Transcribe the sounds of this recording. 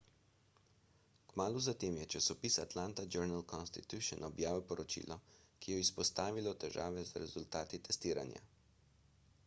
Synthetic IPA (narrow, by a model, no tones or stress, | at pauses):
kmaːluzat̪eːmjɛt͡ʃasɔpiːsat̪laːnt̪ad͡ʒɛɾnalkɔnst̪it̪juʃɔnɔbjaːʋiwpɔɾɔt͡ʃḭːlʔɔkijɔispɔst̪aːʋilɔt̪ɛʒaːʋɛzɾɛzult̪aːt̪it̪ɛst̪iːɾa̰nja̰